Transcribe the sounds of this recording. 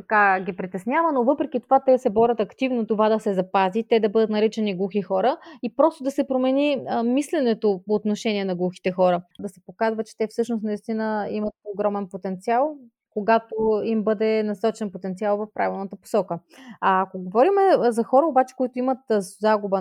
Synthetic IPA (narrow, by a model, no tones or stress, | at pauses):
t̪ɐkaɡʲipɾit̪ɛsnʲjavənovɤpɾɛkit̪ovat̪ɛsɛbɔɾʲɐt̪ɐkt̪ivnot̪ovad̪ɐsɛzɐpazit̪ɛd̪ɐbɤd̪ət̪nɐɾit͡ʃɛniɡlˠuxixɔɾəipɾɔst̪od̪ɐsɛpɾomɛnimislɛnɛt̪opoːt̪noʃɛniɛnɐɡlˠuxi̥t̪ɛxɔɾəd̪ɐsɛ̥pokazvɐt̚t͡ʃɛ̥t̪ɛfsɤʃnosnɐist̪inəimət̪oɡɾɔmɛnpot̪ɛnt̪sialˠ | koɡat̪oimbɤd̪ɛnɐsɔt͡ʃɛnpot̪ɛnt̪sialˠvɐfpɾʔa̰vʲilˠnət̪əpo̥sɔkəaːkoɡovɔɾimɛzɐxɔɾəobat͡ʃɛ̥koit̪oimət̪zaɡubə